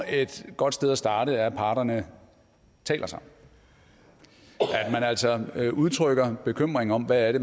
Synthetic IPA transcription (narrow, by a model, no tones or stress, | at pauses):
e̝d̥ɡ̥ɒ̽d̥sd̥eð̞ˠæsd̥ɑ̈ːɾəæpʰɑ̈ːɾ̥ɐnə | t͡sʰɛ̰ːlʔɐsɑ̈ | ʔæd̥mænæl̰sɒʔuð̞ˠt͡sʰʁœɡ̥ɐb̥e̝kʰøm̰ʁeŋ̩ɒ̽mʋææɐɾ̥e̝